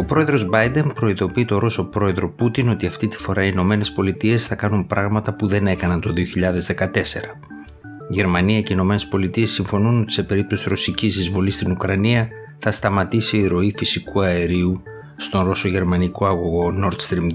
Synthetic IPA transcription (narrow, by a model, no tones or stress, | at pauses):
o̞pɾo̞e̞ðɾo̞zbɐjd̪e̞npɾo̞iðo̞piit̪o̞ɾo̞so̞pɾo̞e̞ðɾo̞put̪ino̞t̪iɐft̪it̪i̥fo̞ɾɐiːno̞me̞ne̞spo̞lit̪ie̞sθɐkɐnumpɾɐɣmɐt̪ɐpuðe̞ne̞kɐnɐnt̪o̞ðio̞çiʎɐðe̞zðe̞kɐt̪e̞se̞ɾɐ | ʝe̞ɾmɐniɐce̞ino̞me̞ne̞spo̞lit̪ie̞sːiɱfo̞nuno̞t̪i̥se̞pe̞ɾip̚t̪o̞siɾo̞sicizðizvo̞list̪inukɾɐniɐ | θɐst̪ɐmɐt̪isiiɾo̞ifisikuɐe̞ɾiu | st̪o̞nɾo̞so̞ʝe̞ɾmɐniko̞ɐɣoɣo̞no̞ɾt̪st̪ɾim